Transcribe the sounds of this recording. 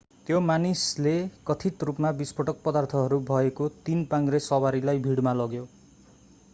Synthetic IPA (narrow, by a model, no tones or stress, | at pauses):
t̪jomanislekʌt̪ʰiʈrupmabispʌʈʌk̚pʌd̪art̪ʰʌɦʌɾubʱʌekot̪inpaŋɡresʌwaɾilajbʱiɽmalʌɡjo